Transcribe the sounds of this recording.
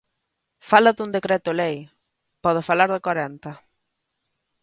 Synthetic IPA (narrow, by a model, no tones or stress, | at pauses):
falɐðund̪ekɾɛt̪ʊlej | pɔðɪfalaɾðɪkwaɾɛnt̪ɐ